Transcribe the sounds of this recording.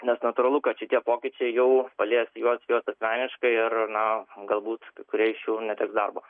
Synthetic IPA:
nʲɛsnɐt̪ʊɾɐlˠʊkɐtʃʲɪt̪ʲiɛpoːkʲɪt͡ʃʲɛɪjɛʊpɐlʲeːsjuɔsjoːsɐtsʲmʲæːnʲɪʃkɐɪɪrnɐɡɐlˠbuːt̪kɐɪkʊɾʲiɛɪʃʲjuːnʲɛt̪ʲɛːksd̪ɐrboː

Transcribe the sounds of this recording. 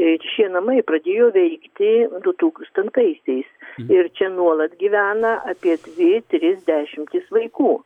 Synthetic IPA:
ʃʲiɛnɐmɐɪprɐd̪ʲeːjoːʋʲɛɪkt̪ʲɪd̪ʊt̪uːkst̪ɐnt̪ɐɪsʲɛɪsɪɾt͡ʃʲɛnuɔlˠɐt̪ɡʲiːʋʲæːnɐʔɑpʲiɛd̪ʲʋʲɪt̪ʲɾʲɪzʲd̪ʲæːʃʲɪmʲt̪ʲɪsʋɐɪkuː

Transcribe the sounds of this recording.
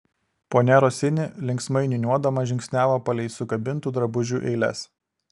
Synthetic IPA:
poːnʲɛɾoːsʲɪnʲɪlʲɪŋʲksmɐɪnʲɪnʲuɔd̪ɐmɐʒʲɪŋʲkʲsʲnʲæːʋɐpɐlʲɛɪsʊkɐbʲɪnt̪uːd̪ɾɐbʊʒʲuːʔɛ̰ɪlʲɛ̰s

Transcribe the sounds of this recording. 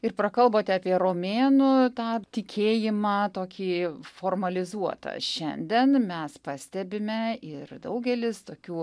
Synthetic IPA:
ɪɾpɾɐkɐlˠboːt̪ʲɛɑːpʲiɛɾoːmʲeːnʊt̪ɑːt̪ʲɪkʲeːjɪmɑːt̪oːkʲiːfoːrmɐlʲɪzuɔt̪ɐ̰ʃʲɛnʲd̪ʲɛnmʲɛspɑːsʲt̪ʲɛbʲɪmʲɛɪrd̪ɐʊɡʲɛlʲɪst̪oːkʲuː

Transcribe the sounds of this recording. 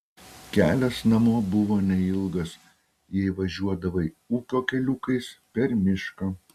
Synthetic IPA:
kʲæːlʲɛsnɐmoːbʊʋoːnʲɛɪlˠɡɐs | jɛɪʋɐʒʲuɔd̪ɐʋɐ | uːkʲoːkʲɛlʲʊːkɐɪspʲɛɾmʲɪʃkɐ

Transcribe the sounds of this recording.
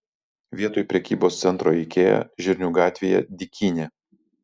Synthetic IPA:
ʋʲiɛt̪oːjpʲɾʲɛkʲiːboːst̪sʲɛnt̪ɾoːɛɪkʲeːjɛ̰ʒʲɪɾʲnʲuːɡɑːt̪ʲʋʲejɛ̰d̪ʲɪkʲʰiːnʲe

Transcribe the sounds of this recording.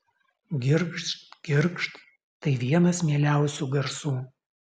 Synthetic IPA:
ɡʲɪɾkʃt̪ɡ̥ʲɪɾkʃt̪ | t̪ɐɪʋʲiɛnɐsmʲiɛlʲæˑʊsʲuːɡɐɾsuː

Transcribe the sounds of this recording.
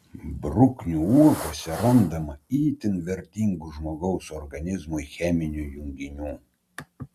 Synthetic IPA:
bɾʊknʲuːuɔkoːsʲɛɾɐnd̪ɐmɐiːt̪ʲɪnʋʲɛɾʲt̪ʲiŋɡuʒmoːɡɐʊsɔɾɡɐnʲɪzmʊɪxʲɛmʲɪnʲujʊŋʲɡʲɪnʲuː

